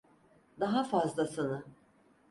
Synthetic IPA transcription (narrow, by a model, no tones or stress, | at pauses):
d̪aɦafazlˠasɯnɯ